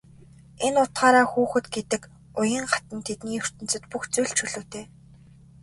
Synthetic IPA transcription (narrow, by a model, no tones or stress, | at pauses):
enʊt̪χaːɾaːxuːxɘ̆t̪ɡet̪ɘ̆k | ʊjə̆ɴχḁt̪ə̆nt̪ʰet̪niːɵr̥t̪ɘ̆nt͡sɘ̆t̪puxt͡sujɮt͡ɕʰɵɮɵːt̪ʰeː